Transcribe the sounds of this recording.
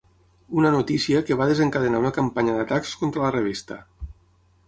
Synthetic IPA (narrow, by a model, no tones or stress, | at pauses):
unənut̪isiəkeβaðezəŋkaðənaunəkampaɲəðat̪akskont̪ɾələreβ̞ist̪ə